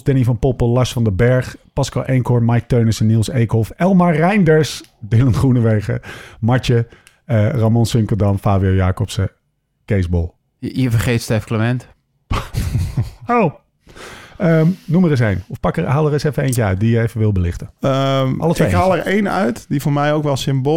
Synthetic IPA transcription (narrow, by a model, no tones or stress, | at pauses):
sdɛnifɑnpɔpəlɑsfɑndəbɛɹχpɑskɑlˠʔɛŋkɔɹmajk̚tøɥnəsɛnːilˠsejkhɔfɛlˠmarɛjndəɹsdɪləntχrunəʋejχə̰mɑɹt͡ʃə | əramɔnsʏŋkəldɑmfaːbijojaːkɔpsə | kejsbɔlˠ | jəvərχejtstɛfkləmɛnt | ow | əmnuməɾɪs̬ejnɔfpɑkɦaːlˠəɾɪsɛfənejncəœɥt̚dijəejfəʋɪlˠbəlɪχtə | ɑ̰lˠətɪeɦalˠərejnœ̰ɥtdivoːɹmɛjowkʋɛlˠsɪmbo